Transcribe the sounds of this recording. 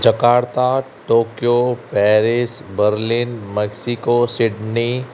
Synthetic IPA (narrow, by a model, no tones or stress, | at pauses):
d͡ʒəkaːɾt̪a | ʈoːkijopɛːɾɪsbəɾlinmɛksikosɪɖni